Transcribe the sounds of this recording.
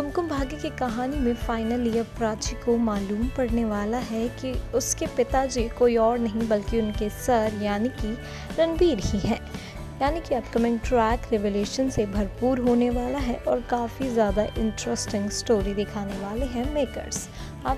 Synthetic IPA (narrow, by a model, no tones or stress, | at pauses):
kʊmkʊmbʱaːɡikikɐɦaːnimẽfaːɪnəliɐpɾaːt͡ʃikomaːluːmpɐɽneʋaːlaɦɛkiʊskepɪt̪ad͡ʒikoːiɔːɾnɐɦĩbɐlkiʊnkesɐɾjaːniki | ɾɐnbiːɾɦiɦɛː | jaːnikiɐpkɐmɪ̃ŋʈɾɛːkɾɛʋeːleːʃənsebʱɐɾpuːɾɦoːneʋaːlaɦɛʔɔːɾkaːfizjaːd̪aʔɪ̃ɳʈɾəsʈɪ̃ŋɡsʈoːɾid̪ɪkʰaːneʋaːleɦɛ̃meːkə̰ɾs | aː